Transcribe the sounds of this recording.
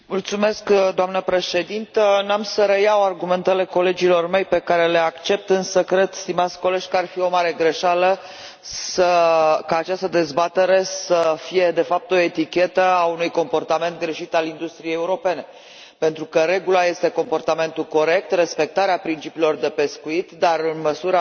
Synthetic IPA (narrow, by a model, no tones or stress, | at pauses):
mult̪sume̞skd̪oamnəpɾe̞ʃe̞d̪int̪ənamsəɾəjawarɡume̞nt̪ele̞ko̞le̞d͡ʒilo̞rme̞jpe̞kaɾe̞le̞akt͡ʃe̞p̚t̪ɨnsəkɾe̞d̪st̪imat̪sʲko̞le̞ʒʲkəarfio̞maɾe̞ɡɾe̞ʃalə | səkaːt͡ʃast̪əd̪e̞zbat̪e̞ɾe̞səfije̞d̪e̞fap̚t̪o̞e̞t̪ikʲe̞t̪əaunujko̞mpo̞rt̪ame̞nt̪̚ɡɾe̞ʃit̪alind̪ust̪ɾijejeuɾo̞pe̞ne̞ | pe̞nt̪ɾukəɾe̞ɡulaje̞st̪e̞ko̞mpo̞rt̪ame̞nt̪ulko̞ɾe̞k̚t̪re̞spe̞k̚t̪aɾeapɾint͡ʃipiːlo̞rd̪e̞pe̞skuit̪d̪arɨnməsuɾə